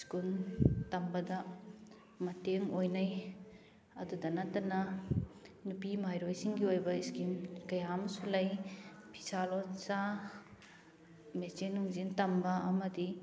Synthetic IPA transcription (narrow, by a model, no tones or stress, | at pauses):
skuntɐmbɐdɐ | mɐteŋojnɐj | ɐdudɐnɐtɐnɐ | nupimajɾojsiŋɡiojbɐiskimkɐjamɐsulɐjpʰi̥salonsa | met͡ʃenːuŋzintɐmbɐɐmɐdi